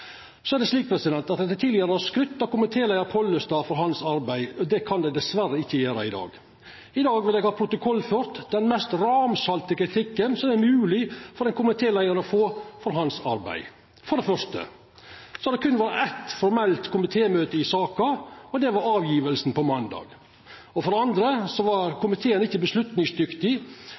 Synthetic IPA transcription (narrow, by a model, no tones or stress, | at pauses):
sɔæɾɖ̪ɛsliːk̚pʰɾɛsɪd̪ɛnt̪ɑt̪ɛt̪ʰɪːlːɪəɾəɔskɾʉt̪ːɑkʊmɪt̪ʰeːlæɪəɾpʰɔlːəst̪ɑːfɔɾɦɑnsɑɾbæɪɔd̪ɛkʰɑnd̪ɛd̪ɛsʋæɾəɪçːəjæːɾɑɪd̪ɑ̰ːɡ | ɪd̪ɑːɡʋɪljɛɡhɑːpʰɾʊt̪ʊkʰɔlːføːɾt̪d̪ɛnmɛst̪ɾɑːmsɑlt̪əkɾɪt̪ʰɪkːənsɔmɛɾmʉːlɪfɔɾɛnkʰʊmɪt̪ʰeːlæɪəɾɔfoːfɔɾɦɑnsɑ̰ɾbæ̰ɪ | fɔɾɖɛfœɾʂt̪ə̰ | sɔɑd̪ɛkʰʉnːʋæːɾəʔæt̪fɔɾmɛlt̪kʊmɪt̪ʰeːmøːt̪əɪsɑːkɑɔd̪ɛʋɑɾɑːʋjiːʋəlsn̩pɔmɑnd̪ɑ̰ːɡ | ɔfɔɾɖɛɑnd̪ɾəsɔʋɑɾkʰʊmɪt̪ʰeːənɪçːəbəslʉt̪nɪŋsd̪ʏkt̪ɪ